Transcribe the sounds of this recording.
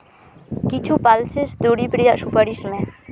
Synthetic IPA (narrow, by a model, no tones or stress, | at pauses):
kit͡ʃʰupalsesd̪oɽipɾijaʃupəɽismẽ